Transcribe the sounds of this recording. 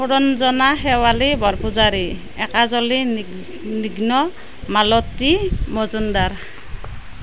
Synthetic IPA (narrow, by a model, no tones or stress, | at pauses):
uɾɔnzɔnaɦɛwalibɔɾpuzaɾi | ɛkazɔli | niɡnɔ | malɔtimɔzundaɹ